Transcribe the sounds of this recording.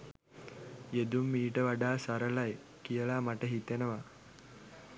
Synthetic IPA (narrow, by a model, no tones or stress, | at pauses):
ed̪umːiːʈəʋaɖaːsaɾəlaj | kijəlaːmaʈəɦit̪enəʋa